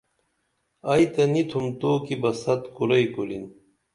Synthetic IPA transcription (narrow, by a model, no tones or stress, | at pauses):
ɐjt̪ɐnit̪ʰumt̪oːkibɐsɐt̪kuɾɐjkolin